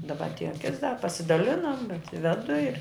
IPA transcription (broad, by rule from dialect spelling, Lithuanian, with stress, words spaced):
dɐˈbɐ ɐtʲˈeːjɛ kʲɪts dɐ pɐsʲɪˈdɑːlʲɪnɐm bʲɛt ˈʋʲæːdʊ ɪr